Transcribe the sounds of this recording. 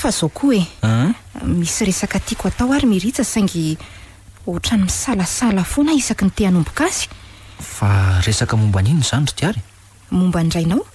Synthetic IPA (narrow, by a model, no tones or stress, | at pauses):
faz̥okʰue | misiɾesakət̪ikat̪awaɾimiɾit͡səsaŋɡi | uʈ͡ʂanimisaləsalafonaisakint̪eanumbu̥kasi̥faresakəmumbaniniz̥and̪iaɾi̥ | mumbaɳɖ͡ʐajnaw